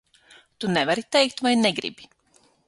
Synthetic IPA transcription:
t̪unɛvaɾit̪ɛjk̚t̪vajnɛɡɾḭbi

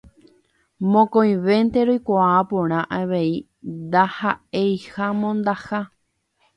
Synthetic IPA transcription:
mõkõj̃ʋe̞nt̪e̞ɾojkʷaapõɾ̃ãʔaʋei | nd̪ahaejhamõnd̪aha

